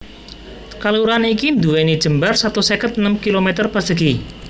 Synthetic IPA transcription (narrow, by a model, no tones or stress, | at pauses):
kaluɾanikind̪uwenid̥ʒ̥ə̤mbarsat̪usekət̪̚nəmkilomet̪ərpasd̥̪əɡi